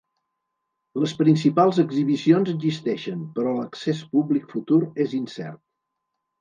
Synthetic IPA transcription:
ləspɾinsipalˠzəɡziβisionzəzist̪ɛʃəmpəɾɔləksespublikfut̪uɾezinsɛ̰rt̪̚

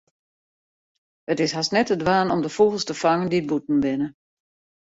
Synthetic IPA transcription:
ətɪsɦasnɛtədʋaːnɔmdəfuɣəlˠstəfaŋəndid̚butn̩bɪnə

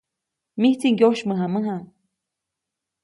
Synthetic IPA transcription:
miht͡s̪iŋɡʲoʃmɨɦamɨɦa

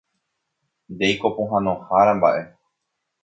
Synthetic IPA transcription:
d̪ejkopõɦãnõhaɾãmba̰ʔe̞

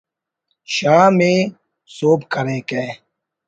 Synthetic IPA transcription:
ʃaːmẽː | soːpkʰəɾẽːkeː

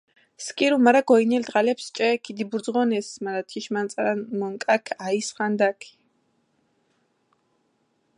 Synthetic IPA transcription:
skʼiɾumaɾaɡɔinɛld̪ʁalɛpst͡ʃʼɛkʰid̪ibuɾd̪zʁɔnɛsmaɾat̪ʰiʃmant̪sʼaɾanmɔŋkʼakʰaisχand̪akʰi̥

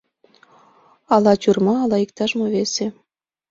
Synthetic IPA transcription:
ɑlɑt͡ɕurmɑːlˠɑikt̪ɑʒmɤβese

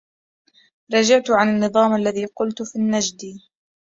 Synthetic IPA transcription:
ɾˤɑd͡ʒaʕt̪ʕananːɨðˤɑːmʔalːaðiːqʊlt̪finːad͡ʒd̪iː

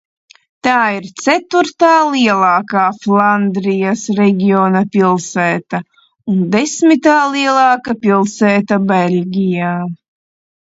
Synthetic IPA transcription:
t̪aːiɾt̪sæt̪uɾt̪aːlˠiɛlˠɑːkaːflˠand̪ɾijasɾɛɡʲionɐpilˠsɛːt̪ɐa | und̪esmit̪aːlˠiɛlˠɑːkapilˠsɛːt̪abelʲɡʲijaː

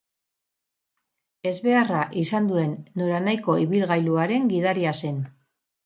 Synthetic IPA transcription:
e̞zβe̞araʔisand̪ue̞nːo̞ɾanajko̞iβilɣajluaɾe̞ŋɡiðaɾiase̞n

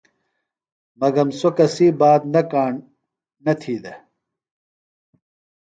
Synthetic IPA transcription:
mɐɡɐmsokɐsiːbaːd̪nɐkaːɳ | nɐt̪ʰiːd̪e

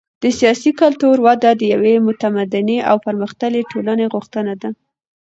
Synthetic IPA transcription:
d̪̥əsijɑsikalt̪uɾwɑd̪ad̪əjawemʊt̪amad̪ɪneʔa̰wpəɾməxt̪əleʈʰolaneɣʊxt̪ənad̪a

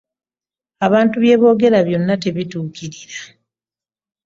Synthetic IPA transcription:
aβaːntuβje̞ːβo̞ːɡe̞ɾaβjo̞nːate̞βituːkiɾiɾḁ

